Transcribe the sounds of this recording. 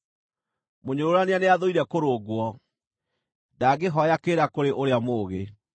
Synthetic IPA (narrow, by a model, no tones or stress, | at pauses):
moɲoɾoɾaneaneaðoiɾɛkoɾoːɡwɔ | daɡeɦɔjakeːɾakoɾeʔoɾeamoːɣe